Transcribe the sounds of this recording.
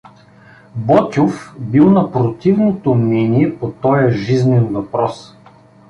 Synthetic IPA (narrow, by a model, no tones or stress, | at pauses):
bɔt̪ʲofbilˠnɐpɾot̪ivnot̪omnɛniɛpot̪ɔjɐʒiznɛnvɐpɾɔs